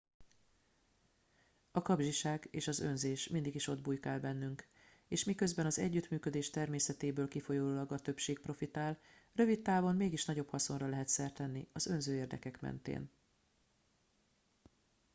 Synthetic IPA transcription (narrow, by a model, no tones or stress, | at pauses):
ɒkɒbʒiʃaːɡeːʃɒzø̞nzeːʃmind̪iɡiʃo̞d̪̚buːjkaːlbɛn̪ːyŋk | eːʃmikø̞zbɛnɒzɛ̰ɟːyt̪myːkø̞d̪eːʃt̪ɛrmeːsɛt̪eːbøːlkifo̞joːlɒɡɒt̪ø̞pʃeːk̚pro̞fit̪aːlrø̞vit̪tːaːvo̞nmeːɡiʃnɒɟo̞phɒso̞nrɒlɛɦɛt̪sɛrt̪ɛnːiɒzø̞nzøːeːrd̪ɛ̰kɛkmɛ̰nt̪ḛːn